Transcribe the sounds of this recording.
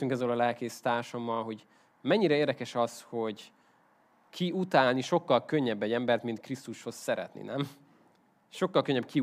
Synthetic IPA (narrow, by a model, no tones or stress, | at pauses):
yŋkɛzːɛlɒlɛlkeːst̪aːrʃo̞mːɒlɦo̞ɟ | mɛɲːiɾɛeːrd̪ɛkɛʃɒsho̞ɟ | kʰiut̪aːlniʃo̞kːɒlkøɲːɛbːɛɟɛmbɛrt̪mint̪krist̪uʃho̞sːɛɾɛ̰t̪nḭnɛm | ʃo̞kːɒlkøɲːɛbkʰi